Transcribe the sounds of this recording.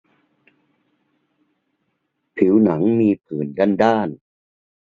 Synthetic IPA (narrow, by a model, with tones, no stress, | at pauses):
pʰi˩˦wna˩˦ŋmiː˧pʰɯː˨˩nda˧˥˩ndaː˥˩n